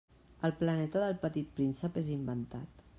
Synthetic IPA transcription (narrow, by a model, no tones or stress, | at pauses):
əlˠplənɛt̪əðəlˠpət̪it̪̚pɾinsəpezimbənt̪a̰t̪